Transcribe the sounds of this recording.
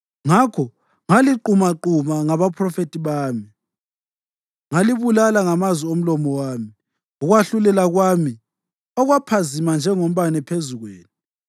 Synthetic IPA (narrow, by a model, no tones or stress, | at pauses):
ŋakʰɔ | ŋaliǃumaǃumaŋaβapʰrɔfetʰʼiβaːmi | ŋaliβulalaŋamazwiom̩lɔmɔwaːmi | uɣwaɬulɛlaɣwami | ɔɣwapʰazimand͡ʒʱɛŋom̩βanɛpʰezuɣweːni